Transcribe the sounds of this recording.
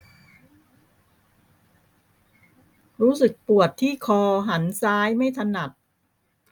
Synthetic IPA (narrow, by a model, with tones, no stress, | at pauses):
ɾuː˦˥sɯ˨˩k̚pu˨˩ət̪ʰːiː˥˩kʰɔː˧ɦa˩˦nsaː˦˥jma˥˩jt̪ʰa˧na˨˩t̪̚